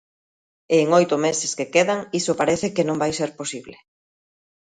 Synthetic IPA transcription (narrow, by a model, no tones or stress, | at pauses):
eːŋojt̪ʊmeseskekeðaŋisopaɾeθekenõŋbajseɾposiβle